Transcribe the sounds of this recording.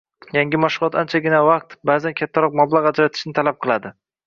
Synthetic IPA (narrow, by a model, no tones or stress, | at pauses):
jaŋɡʲɪmaʃʊlˠɒt̪ant͡ʃʰaɡʲɪnavɑq̚t̪baːzankʲʰat̪ʰːaɾɒq̚mablˠaqad͡ʒɾat̪ʰɪ̥ʃnɪt̪ʰalap̚qʰɨlˠad̪ɪ